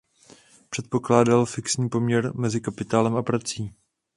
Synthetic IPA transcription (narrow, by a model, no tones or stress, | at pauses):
pr̥ɛt̪po̞klaːdalfɪksɲiːpo̞mɲɛɾmɛzɪkapɪt̪aːlɛmapɾat͡siː